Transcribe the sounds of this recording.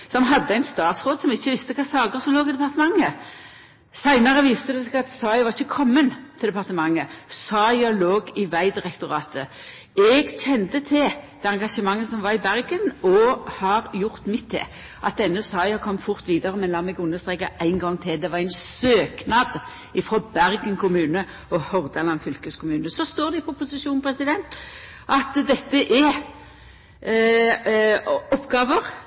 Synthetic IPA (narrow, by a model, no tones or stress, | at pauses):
sɔmɦɑd̪ːəæɪnst̪ɑːt̪sʁoːd̪sɔmɪçːəʋɪst̪əkʰɑːsɑːɡəʁsɔmloːɡɪd̪ɛpɑʁt̪əmɑŋːə | sæɪnəʁəʋiːst̪əd̪ɛsɛɡɑt̪sɑːɪʋɑʁɪçːəkʰɔmːənt̪ʰɪld̪ɛpɑʁt̪əmɑŋːəsɑːjɑloːɡɪʋæɪd̪ɪʁɛkt̪ʊʁɑːt̪ʰə | ɛɡɕɛnt̪ət̪ʰɪld̪̥ɛɑŋɡɑʂəmɑŋːəsɔmʋɑʁɪbæʁɡənɔhɑʁjʊʁt̪mɪt̪ʰd̪ɛ̰ | ʔɑt̪ɛnːʉsɑɪɑkʰɔmt̪fʊʁt̪ʋiːd̪əʁəmɛnlɑːmɛɡʊnːəʁst̪ʁeɪkəʔæɪnɡɔŋːt̪ʰɪld̪ɛʋɑɾæɪnsøːknɑːd̪ | ɪfʁoːbæɾɡənkʰʊmʉːnə | ɔhɔʁd̪ɑlɑnfʏlkəskʰʊmʉːnəsɔst̪oːɾd̪ɪpʊpʊsɪʃuːnpʰɾɛsɪd̪ɛnt̪ʔɑt̪d̪ɛt̪ːəʔɛ | ɔpːɡɑːʋəʁ